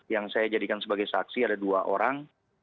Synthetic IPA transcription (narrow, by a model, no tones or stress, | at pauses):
jaŋsajad͡ʒadikansəbaɡajsa̰ksiadaduaʔo̰ɾaŋ